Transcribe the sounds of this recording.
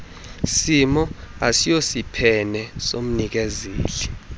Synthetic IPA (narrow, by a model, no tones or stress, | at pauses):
simɔasijosipʰɛnɛsom̩nik̬ɛzeːli